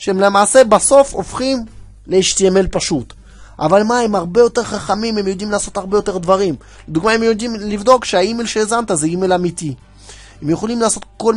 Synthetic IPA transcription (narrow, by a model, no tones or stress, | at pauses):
ʃeemle̞maːse̞baso̞fofχim | le̞iʃt̪ieme̞lpaʃut̪ | ʔa̰valmaemaʁbe̞jo̞t̪e̞ʁχaχamime̞mjo̞d̪imlaːso̞t̪aʁbejot̪e̞ʁd̪vaʁim | led̪uɡmae̞mjod̪imlivd̪o̞kʃeaime̞lʃeezant̪azeimelamit̪i | emjeχo̞limlaːso̞t̪ko̞l